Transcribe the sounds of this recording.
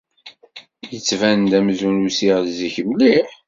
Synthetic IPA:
jət͡sːvænd̪æmzunusiʁziçəmliħ

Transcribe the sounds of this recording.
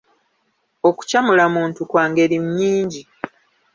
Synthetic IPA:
o̞ku̥camulamuːntukwaːŋɡe̞ɾimɲːiːɲɟi

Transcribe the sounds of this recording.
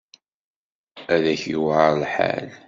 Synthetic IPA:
æðæçiwʕlħa̰l

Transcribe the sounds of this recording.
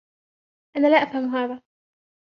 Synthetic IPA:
ʔanalaːʔafhamɦaːða

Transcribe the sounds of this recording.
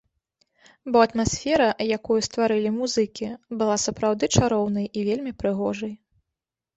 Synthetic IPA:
bɔɐt̪masʲfʲɛɾɐjakujust̪vaɾɨlʲimuzɨkʲibɨlˠasɐpɾawd̪ɨt͡ʂaɾɔwnɐjivʲelʲmʲipɾɨɣɔʐɐj

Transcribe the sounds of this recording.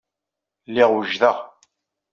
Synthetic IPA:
lːɪʁwəʒðəʁ

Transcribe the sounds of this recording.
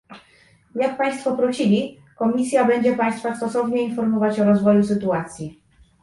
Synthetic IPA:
jak̚paj̃st̪fɔpɾɔɕilʲi | kɔmʲisʲjabɛɲd͡ʑɛpaj̃st̪fast̪ɔsɔvɲɛinfɔɾmɔvat͡ɕɔɾɔzvɔjusɘt̪uat̪sʲji

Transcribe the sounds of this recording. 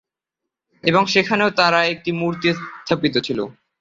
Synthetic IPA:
eboŋʃekʰaneot̪aɾaek̚ʈimuɾt̪ist̪ʰːapit̪ot͡ɕʰilo̰

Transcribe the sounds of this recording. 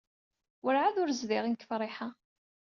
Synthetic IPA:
wʊɾʕaðʊɾzðɪʁinkə̥fɾˤɪħa

